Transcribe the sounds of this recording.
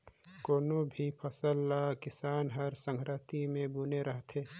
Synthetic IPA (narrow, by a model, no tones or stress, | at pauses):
koːnobʱipʰəsəlakɪsaːnɦɐɾsə̃ŋkɾət̪imẽbuneɾəɦt̪ʰeː